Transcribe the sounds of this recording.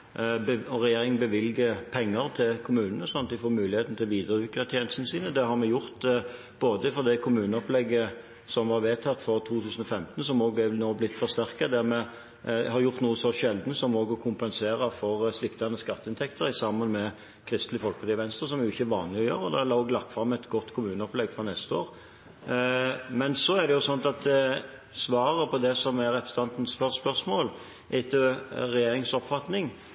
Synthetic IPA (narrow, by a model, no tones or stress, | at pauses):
bɔʁɛjeːɾɪŋnbəʋɪlɡəpʰɛŋːəʁt̪ʰɪlkʰʊmʉːnnəɔsɔnːt̪d̪ɪfoːmʉːlɪheːt̪n̩ət̪ʰɪlʋiːd̪əɾəʉːkət̪ʰjeːnəst̪nəsiːnəd̪ɛhɑɾmɛjʊɾt̪ | boːd̪əfɔd̪ɛkʰʊmʉːnəɔplɛɡːə | sɔmʋɑɾʋeːt̪ʰɑt̪ːfɔʁt̪ʰuːt̪ʰʉːsən̩ɔfɛmt̪nsɔmoːɡænoːblɪt̪ːfɔʁst̪æʁkəd̪æʁmɛ | hɑɾjʊʁt̪nuːəsɔʃɛld̪nəsɔmoːɡɔkʰʊmpɛnseːɾəfɔʁslɪkt̪ɑnəskɑt̪ːəɪnt̪ʰɛkt̪əɾɪsɑmːɑnmɛ | kʰɾɪst̪lɪfɔlkpʰɔd̪ɪʋɛnst̪ɾəs̬ɔmjʊɪçːəʋɑːnlɪɔjøːɾəɔd̪ɛlɑːoːɡlɑkfɾɑmːɛt̪ɡɔt̪ːkʰʊmʉːnəɔplɛɡfɔnɛst̪əoːɾ | mɛnsɔæʁd̪ɛjʊsɔnt̪ɑt̪̚d̪ɛ | sʋɑːɾəpʰɔd̪ɛsɔmæɾɛpɾəsə̥t̪ʰɑnt̪n̩spœspœsmoːl | ʔɪt̪ʰːəʁɛjeːɾɪŋsɔpfɑt̪nɪŋ